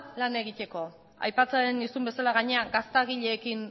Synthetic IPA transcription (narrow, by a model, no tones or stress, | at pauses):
lane̞ɣit̪e̞ko̞ | a̰jpat͡saenisumbe̞salaɣaɲe̞aɡast̪aɣ̞iʎe̞ːkin